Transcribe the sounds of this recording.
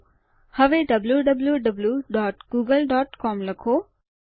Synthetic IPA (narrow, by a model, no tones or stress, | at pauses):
hɐʋeɖɐbljuɖɐbljuɖɐbljuɖɔːʈɡuːɡəlɖɔːʈkɔːmlɐkʰoː